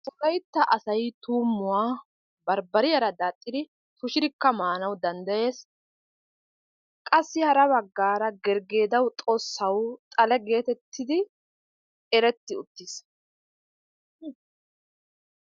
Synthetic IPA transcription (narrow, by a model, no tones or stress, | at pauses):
t̪ʼʊlɐjt̪ːɐʔɐsɐjt̪uːmːʊwaː | bɐɾbɐɾɪjɐɾɐd̪aːt̪ʼːɪd̪ɪ | t̪ʊʃɪɾɪkːɐmaːnɐwd̪ɐnd̪ɐje̞ːs | kʼɐsːɪhɐɾɐβɐɡːaːɾɐɡɛɾɡe̞ːd̪ɐwt̪ʼosːɐwt̪ʼɐlɛɡe̞ːt̪ɛt̪ːɪd̪ɪ | ɛɾɛt̪ːɪʊt̪ːɪs